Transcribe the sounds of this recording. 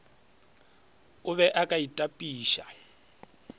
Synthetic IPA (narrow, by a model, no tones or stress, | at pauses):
ʊβɛʔakʼaitʼapʼiːʃa